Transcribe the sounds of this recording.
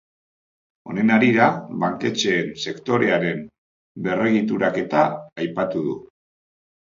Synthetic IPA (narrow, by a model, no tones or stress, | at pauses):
o̞̰ne̞naɾiɾaβaŋke̞t͡ʃe̞ːnse̞kt̪o̞ɾe̞aɾe̞m | be̞re̞ɣ̞it̪uɾake̞t̪a̰ːjpat̪uðṵ